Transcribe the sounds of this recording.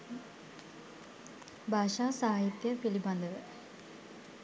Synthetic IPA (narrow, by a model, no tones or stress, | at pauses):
bʱaːʂaːsaɦajit̪jɐpilibɐnd̪ʱɐʋɨ